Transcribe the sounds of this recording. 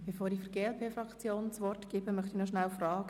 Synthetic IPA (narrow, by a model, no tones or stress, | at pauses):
b̥ɛfoːɾiːfəɾɡ̥eːɛlpʰeːfrɑkt͡sjoːnt͡sʋɔrtɡ̥ɪːbəmœχtinɔʃnalfrɑːɡ̥